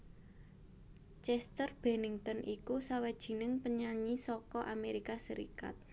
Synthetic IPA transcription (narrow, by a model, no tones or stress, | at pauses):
t͡ʃɛst̪ərb̥ɛnɪŋt̪ɔnʔikusawad̥ʒ̥i̤nɪŋpəɲaɲisɔkɔʔameɾikasəɾḭka̰t̪̚